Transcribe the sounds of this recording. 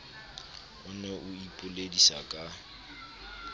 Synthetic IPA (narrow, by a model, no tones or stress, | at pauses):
ʊnɛʔʊipʼʊledisa̰kʼa